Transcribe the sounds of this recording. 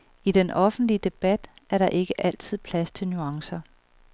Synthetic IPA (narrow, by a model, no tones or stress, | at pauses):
id̥enʔɒ̽fn̩d̥liəd̥e̝b̥æd̥æɐɾɑ̈ʔe̝ɡ̥əʔæl̰t͡sʰið̞̰ˠpʰlæst͡sʰe̝lnyɑ̈ŋsɐ